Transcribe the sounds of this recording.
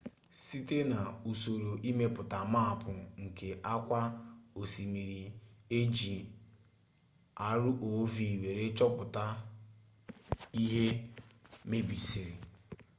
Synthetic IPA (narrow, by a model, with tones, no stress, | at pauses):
si˦te˦na˨u˨so˨ɾo˨ʔi˦me˦pʊ˨ta˨ma˦a˨pʊ˨ŋ̩˨ke˨ʔa˦kʷa˦o˨si˨mi˨ɾi˨e˦d͡ʒi˨ | a˦ɾʊ˦ʔo˨˦vi˨we˨ɾe˦t͡ʃɔ˦pʊ˨ta˦ | i˦ɦe˦ | me˦bi˨si˨ɾi˨